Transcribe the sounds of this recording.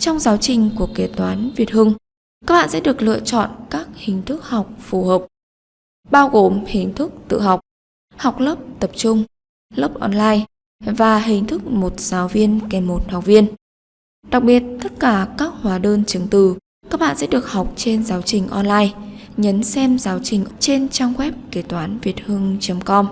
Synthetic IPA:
t͡ɕɔ˧wŋ͡mzaː˨˦wt͡ɕï˨˩ŋ̟ku˧˩əke˨˩t̚t̪waː˨˦nvi˨˩ət̚hɨ˧ŋ | kaː˦˥k̚ɓa̰ː˧˨sɛ̰˧˥ɗɨ˨˩ək̚lɨ̰˧˨ət͡ɕɔ̰˧˨nkaː˦˥k̚hï˨˩ŋ̟t̪ʰɨ˦˥k̚ha˨˩wk͡p̚fu˨˩həː˨˩p̚ | ɓaː˧wɣo˨˩mhï˨˩ŋ̟t̪ʰɨ˦˥k̚t̪ɨ̰˧˨ɦa˨˩wk͡p̚ | ha˨˩wk͡p̚ləː˦˥p̚t̪ə˨˩p̚t͡ɕʊ˧ŋ͡m | ləː˦˥p̚ʔɔ˧nlaː˧j | vaː˨˩ɦï˨˩ŋ̟t̪ʰɨ˦˥k̚mo˨˩t̚z̥aː˨˦wvi˧ənkɛ˨˩mːo˨˩t̚ha˨˩k͡p̚vi˧ən | ɗa˨˩k̚ɓi˨˩ət̚t̪ə˦˥t̚kaː˧˩kaː˦˥k̚hwaː˨˦ɗəː˧nt͡ɕɨ˨˦ŋt̪ɨ˧˩ | kaː˦˥k̚ɓa̰ː˧˨nsɛ̰˧˥ɗɨ˨˩ək̚ha˨˩wk͡p̚t͡ɕe˧nzaː˨˦wt͡ɕï˨˩ŋ̟ʔɔ˧nlaː˧jɲə˨˦nsɛ˧mzaː˨˦wt͡ɕï˨˩ŋ̟t͡ɕe˧nt͡ɕa˧ŋɣwɛ˦˥p̚ke˧˩t̪waː˨˦nvi˨˩ət̚hɨ˧əŋt͡ɕə˨˦mkɔ˧m

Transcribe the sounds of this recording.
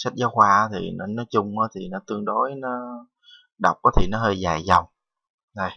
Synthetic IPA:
sa˦˥t̚zɔː˨˦hwaː˧˨˦t̪ʰi˨˩nɔ˨˦nɔ˨˦t͡ɕʊ˧ŋ͡maː˨˦t̪ʰi˨˩nɔ˨˦t̪ɨ˧əŋɗo˨˦jnɔ˨˦ | ɗə˨˩wk͡p̚ʔɔ˨˦t̪ʰi˨˩nɔ˨˦ɦəː˧jza̰ː˨˩jza˨˩wŋ͡m | zə˧˩j

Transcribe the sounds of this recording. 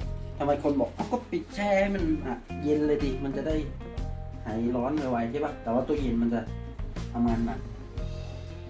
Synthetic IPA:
t̪ʰa˧mha˧jkʰo˧nbɔː˨˩k̚ha˧˥˩wkɔː˥˩pi˨˩t̪̚t͡ɕʰaː˧˩ha˥˩jma˧˥˨nʔa˨˩je˧nlɤː˧siː˧˩ma˧˨nt͡ɕa˨da˥˩j | ha˨˩˦jlɔː˧˦˥nma˨˧˩wa˧jt̪ʰi˧˥˩ba˧˩t̪ɛː˨˩waː˧˩t̪u˧ɐje˧nma˧nt͡ɕa˨˧˩ʔ | t̪ʰa˧mŋaː˧nma̰˧˩n

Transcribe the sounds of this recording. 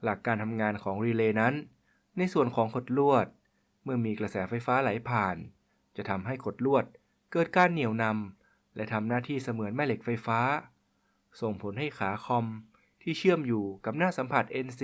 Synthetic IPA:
la˨˩kːaː˧nt̪ʰa˧mŋaː˧nkʰɔː˩˦ŋɾiː˧leː˧na˦˥nː | a˧jsu˨˩ənkʰɔː˩˦ŋkʰo˨˩t̪̚lu˥˩ət̪̚ | mɯ˥˩ɐmiː˧kɾa˧sɛː˩˦fa˧jfaː˦˥la˨˩˦jpʰaː˨˩n | t͡ɕa˨˩t̪ʰa˧mɦa˥˩jkʰo˨˩t̪̚lu˥˩ət̪̚ | kɤː˨˩t̪̚kaː˧nːi˨˩əwna˧m | lɛ˦˥t̪ʰa˧mnaː˥˩t̪ʰiː˥˩sa˧mɯ˩˦ənmɛː˥˩le˨˩k̚fa˧jfaː˦˥ | so˨˩ŋpʰo˩˦nɦa˥˩jkʰaː˩˦kʰɔ˧m | t̪ʰiː˥˩t͡ɕʰɯ˥˩əmjuː˨˩ka˨˩p̚naː˥˩sa˨˩˦mpʰa˨˩t̪̚ʔe˧ns

